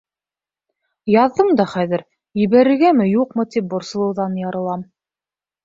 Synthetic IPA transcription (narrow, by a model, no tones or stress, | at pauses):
jɑðːɤmd̪ɑχæðɘɾ | jɘ̆βæɾɘ̆ɾɡæmɘjuqmɤt̪ip̚bŏɾsɤ̆lˠɤ̆wðɑnjɑɾɤ̆lˠɑm